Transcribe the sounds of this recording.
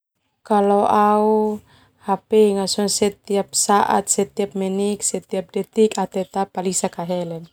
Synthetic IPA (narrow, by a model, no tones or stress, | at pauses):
kaloʔau | hapɛŋasɔŋsɛt̪iap̚saʔa̰t̪̚sɛt̪iap̚mɛniksɛt̪iap̚dɛt̪ikat̪ɛt̪apːalisakaɦɛlɛn